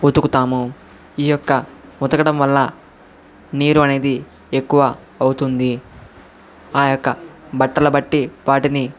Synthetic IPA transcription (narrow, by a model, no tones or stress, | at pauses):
ut̪ukut̪aːmu | iːjɔkːɐmut̪ɐkɐɽɐmʋɐlːɐ | niːɾuɐne̞ːd̪i | ekːuʋɐː | wut̪und̪i | aːjɔkːɐbɐʈːɐlɐbɐʈːiʋaːʈini